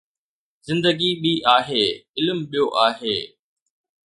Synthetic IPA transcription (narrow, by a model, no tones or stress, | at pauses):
zɪ̃nd̪əɡiɓiʔaːɦeːɪlmɓijoʔaːɦeː